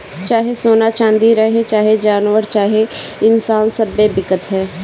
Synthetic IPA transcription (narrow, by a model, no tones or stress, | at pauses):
t͡ʃaːɦeːsoːnaːt͡ʃãːnd̪iːɾəɦet͡ʃaːɦed͡ʒaːnʋəɾt͡ʃaːɦeɪnsaːnsəbeːbɪkət̪ɦɛː